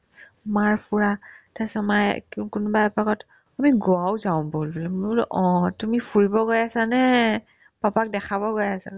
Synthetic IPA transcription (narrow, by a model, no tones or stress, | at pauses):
maɹpʰuɹatasamajkkʊnbaɛpakɔt | amiɡoawzaʊ̃bolbullʔɔ̃tumipʰuɹibɔɡojasanɛ | papak̚dɛkʰabɔɡojasa